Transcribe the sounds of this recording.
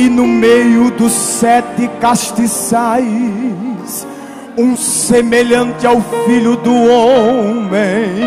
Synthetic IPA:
ɪnʊmejʊd̪ʊsːɛt̪ɪkaʃt̪isaj | s | ũsemeʎɐ̃nt̪ɪawfiʎʊd̪ʊomẽ

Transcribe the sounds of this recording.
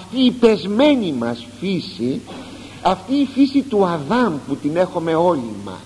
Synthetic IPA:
ɐft̪iːpe̞zme̞nimɐsfisi | ɐft̪iːfisit̪uɐðɐmput̪ine̞xo̞me̞o̞lḭmɐ̰

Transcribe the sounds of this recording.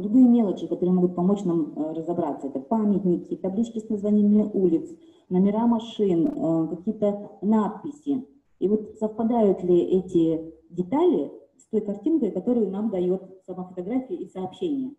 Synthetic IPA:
ɾʲʊɡɨjəmʲe̞lˠət͡ɕɪkɐt̪o̞ɾɨəmo̞ɡʊt̪̚pɐmo̞t͡ɕnamrəzɐbɾat̪səɛt̪əpamʲɪtʲnʲɪkʲɪt̪ɐblʲit͡ɕkʲɪsnəzvanʲɪjəmʲeʔulʲɪt̪s | nəmʲɪɾamɐʂɨnəkɐkʲijət̪ənat̪̚pʲɪsʲɪ | tivo̞t̪səfpɐd̪ajʊt̪lʲɪʔɛtʲɪdʲɪt̪alʲɪst̪o̞jkɐrtʲinkəjkɐt̪o̞ɾɨjʊnamd̪ɐjot̪sɐmafət̪ɐɡɾafʲɪɪisɐːpɕːenʲɪjə

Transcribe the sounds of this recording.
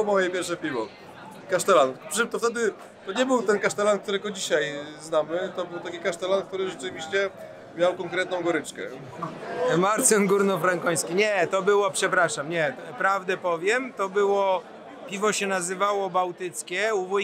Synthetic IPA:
mɔjɛpʲjɛɾfʂɛpʲivɔ | kaʂt̪ɛlanpʂmt̪ɔft̪ɛd̪ɘ | t̪ɔɲɛbɘwt̪ɛnkaʂt̪ɛlank̚t̪uɾɛɡɔd͡ʑiɕajznamɘt̪ɔbɘwt̪akʲikaʂt̪ɛlank̚t̪uɾɘʐɛt͡ʂɘvʲiɕt͡ɕɛ | mʲjawkɔ̃ŋkɾɛt̪̚nɔ̃w̃ɡɔɾɘt͡ʂkɛ̰ | maɾt̪sɛnɡuɾnɔfɾaŋkɔ̃j̃skʲiɲɛt̪ɔbɘwɔpʂɛpɾaʂamɲɛpɾavd̪ɛpɔvʲjɛmt̪ɔbɘwɔ | pʲivɔɕɛnazɘvawɔbawt̪ɘt̪skʲɛuvu

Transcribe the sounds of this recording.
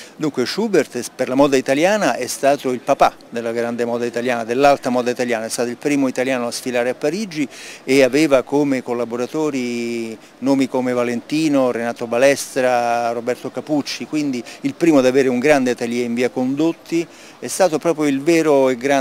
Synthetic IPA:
d̪uŋkweʃubert̪perlamɔːd̪ait̪aljaːnaʔɛst̪aːt̪oilpapa | d̪elːaɡɾand̪emɔːd̪ait̪aljaːnad̪elːalt̪amɔːd̪ait̪aljaːnaɛst̪at̪oilpɾiːmoit̪aljaːnoasfilaːɾeapːaɾid͡ʒieavɛːvakomekolːaboɾat̪oːɾi | noːmikomevalent̪iːnoɾenaːt̪obalɛst̪ɾarobɛrt̪okaput͡ʃːikwind̪iilpɾiːmod̪aveːɾeuŋɡɾand̪eat̪aljɛiɱviːakond̪ot̪ʰːi | ɛst̪aːt̪opɾɔːpɾjoilvɛːɾoeɡɾa

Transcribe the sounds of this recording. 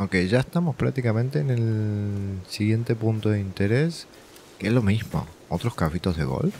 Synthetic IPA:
oke̞jʒaest̪amo̞spɾa̰k̚t̪ikamẽnt̪eːne̞l | siɣje̞nt̪e̞punt̪oðint̪e̞ɾe̞s | keezlo̞mizmo̞̰o̞t̪ɾo̞skafit̪o̞zðe̞ɣo̰l

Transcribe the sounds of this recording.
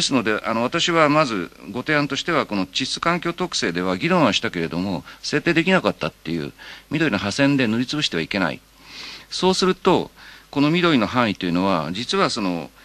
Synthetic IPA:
desɨno̞d̪e̞ʔano̞β̞at̪aɕiβamazɨɡo̞t̪e̞ãnt̪o̞ɕi̥t̪e̞βako̞no̞t͡ɕisɨ̥kãŋkʲo̞ːt̪o̞kɯ̟̥se̞ːd̪e̞β̞aɡʲiɾõ̞ɰ̃aɕi̥t̪ake̞ɾe̞d̪o̞mo̞se̞ːt̪ːe̞ːd̪e̞kʲinakat̪ːat̪ːe̞jɯ̰ːmʲid̪o̞ɾʲinoɦasẽ̞nd̪e̞noɾʲit͡sɨbɯ̟ɕi̥t̪e̞βaike̞na̰ḭ | so̞ːsɨɾɯ̟t̪o̞ko̞no̞mʲid̪o̞ɾʲino̞ɦãɰ̃it̪ːe̞jiɯ̟no̞βad͡ʑit͡sɨβaso̞no̞̰

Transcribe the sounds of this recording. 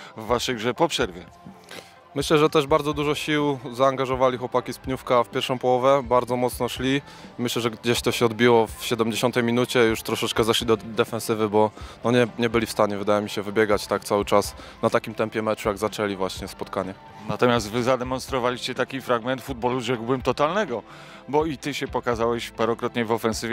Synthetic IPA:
vːaʂɛjɡʐɛpɔpʂɛɾvʲjɛ | mɘɕlɛʐɛt̪ɛʐbaɾdzɔd̪uʐɔɕiwzaːŋɡaʐɔvalʲixwɔpakʲispɲufkafpʲjɛɾʂɔ̃w̃pɔwɔvɛbaɾd̪zɔmɔt̪snɔʂlʲi | mɘɕlɛʐɛɡd͡ʑeɕt̪ɔɕɛɔd̪̚bʲiwɔfɕɛd̪ɛmd͡ʑeɕɔnt̪ɛjmʲinut͡ɕɛjuʂt̪ɾɔʂɛt͡ʂkɛzɛʂlʲid̪ɔd̪ɛfɛ̃nsɘvɘbɔnɔɲɛɲɛbɘlʲifst̪aɲɛvɘd̪ajɛmʲiɕɛvɘbʲjɛɡat͡ɕt̪akt̪sawɘt͡ʂasnat̪akʲimt̪ɛmpʲjɛmɛt͡ʂujaɡzat͡ʂɛlʲivwaɕɲɛspɔt̪̚kaɲɛ | nat̪ɔmʲjast̪vɘzad̪ɛmɔnst̪ɾɔvalʲiɕt͡ɕɛt̪akʲifɾaɡmɛnt̪fud̪̚bɔluʐɛɡwbɘmt̪ɔt̪alnɛɡɔ | bɔit̪ɘɕɛpɔkazawɛɕpaɾɔkɾɔt̪ɲɛvɔfɛnsɘvʲɛ

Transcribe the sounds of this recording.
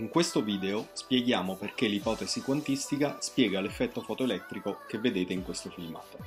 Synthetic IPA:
iŋkwest̪oviːd̪eospjeɡjaːmoperk̟elipɔːt̪ezikwant̪ist̪ikaspjɛːɡalefːɛt̪ːofɔt̪oelɛt̪ːɾikokevːed̪eːt̪eiŋkwest̪ofilma̰ːt̪o

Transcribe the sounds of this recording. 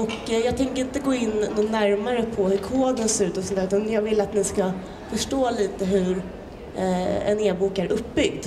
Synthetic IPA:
ɔkːjɑːɡ̚t̪ʰɛŋkəɾɪnt̪əɡoːɪnːuːnːæɾmaɾəpʰɔhɵɾkʰoːd̪ənsɛɾʉ̟ːt̪ɔsɔnt̪æːʉt̪anjɑːɡvɪlːat̪nɪska | fœʂʈoːliːt̪əɦɵɾ | ɛ̰neːbuːkæɾʔɵpːbʏɡ̚d̪

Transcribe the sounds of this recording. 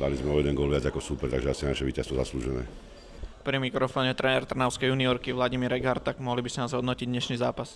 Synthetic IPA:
d̪a̰lizmɛɔjɛd̪ɛnɡʊɔlʋɪad͡zakɔsuːpɛɾt̪aɡʒɛasinaʃɛʋiːcast̪ʋɔza̰sluːʒɛnɛ̰ː | pɾimikɾɔfɔːɲɛt̪ɾɛnɛɾt̪r̩naʊskɛjuːniɔɾkiʋlaɟimiɾɛɡaɾt̪ːaɡmɔɦlibisɛnazɦɔd̪nɔciɟɲɛʃniːzaːpas

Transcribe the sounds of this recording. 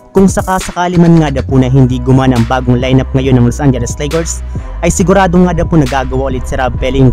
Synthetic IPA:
kʊŋsɐkɐsɐkaːlɪmɐnŋad̪ɐpunɐɦɪnd̪iːɡʊmanɐŋbaːɡoŋlajnɐp̚ŋɐjo̞nɐŋlosʔand͡ʒɛlɛst̪lɛjɡɛɹs | ʔɐjsɪɡʊɾaːd̪oŋːaːd̪ɐponɐɡaːɡɐwaʔolɪt̪̚sɪɾabɛlɪŋ

